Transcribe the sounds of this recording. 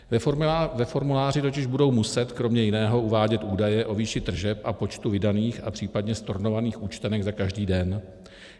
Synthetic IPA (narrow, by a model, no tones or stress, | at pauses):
vɛfo̞ɾmulaːrɪt̪o̞cɪʒbudo̞wmusɛt̪kɾo̞mɲɛjɪnɛːɦo̞uvaːɟɛt̪ʔuːdajɛʔo̞viːʃɪt̪r̩ʒɛpʔapo̞t͡ʃt̪uvɪdaniːxapr̥iːpadɲɛst̪o̞ɾno̞vaniːxuːt͡ʃt̪ɛnɛɡzakaʒdiːdɛn